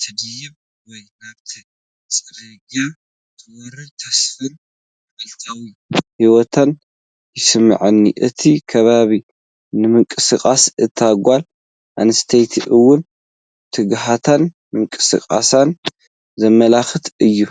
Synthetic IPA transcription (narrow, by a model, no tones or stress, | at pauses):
t̪ʰɨd̪ɨjɪm | wɔjkaβt̪ʰi | t͡sʼɨɾɐɡa | t̪ʰɨwɔɾɨt̪ʰɐsfɨn | ɐlt̪ʰawi | hiwɔt̪ʰan | jɪsɨmːɐ̰ʕɨnːḭʔɨt̪ʰikʰɐβaβi | nɨmɨŋkʼɨsɨkʼasɨt̪ʰːaɡʷal | ʔanɨst̪ʰejt̪ʰʔɨwːʊn | t̪ʰɨɡɦat̪ʰan | mɨŋkʼɨsɨ̰kʼa̰san | zɐmːɐlaxɨt̪ʰɨjːu